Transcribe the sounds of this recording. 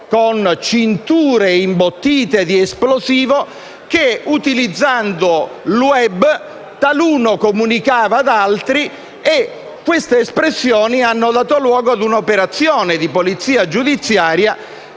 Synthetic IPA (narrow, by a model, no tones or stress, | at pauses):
kont͡ʃint̪uːɾeimbot̪ːiːt̪ed̪iɛsploziːvo | k̟eut̪ilid̪zːand̪oluɛbː | t̪aluːnokomunikaːvaːd̪alt̪ɾi | e | kːwest̪eːspɾesːjɔːnianːod̪aːt̪olwɔːɡoad̪unopeɾat̪sːjɔːned̪ipolit̪sːiːad͡ʒud̪it̪sːjaːɾja